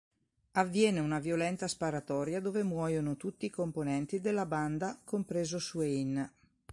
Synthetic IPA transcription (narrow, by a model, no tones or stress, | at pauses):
avːjɛːneunavjolɛnt̪aspaɾat̪ɔːɾjad̪oːvemwɔːjonot̪ut̪ːiːkomponɛnt̪id̪elːaband̪akompɾeːzosuein